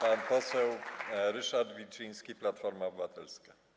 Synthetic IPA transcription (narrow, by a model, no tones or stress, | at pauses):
panpɔsɛwɾɘʂaɾd̪vʲit͡ʂij̃skʲiplat̪fɔɾmaɔbɘvat̪ɛlska